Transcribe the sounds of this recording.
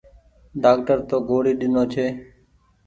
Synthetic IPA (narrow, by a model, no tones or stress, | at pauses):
ɖaːk̚ʈəɾt̪oːɡoːɽiːɗɪnoːt͡ʃʰeː